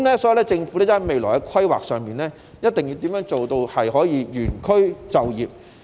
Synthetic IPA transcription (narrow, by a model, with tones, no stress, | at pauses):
mlɛ˥sɔː˨˥ji˨wlɛː˥t͡sɪ˧ŋfu˨˥lɛː˥jɐ˥ɐ˨˩jme˨jlɔ̰˨˩hɐ˨˧jkʰɐ˥jwa̰ː˨k̚sœː˨˧ŋmiː˨˩nlɛː˥ | jɐ˥t̚t̪ɪ˨ŋjiː˧wt̪iː˨˥mjœː˨˥ŋt͡ʃo˨wt̪o˧whɐ˨jɦɔː˨˥jiː˨˧jyː˨˩nkʰɵ˥ɥt͡sɐ˨wjiː˨p̚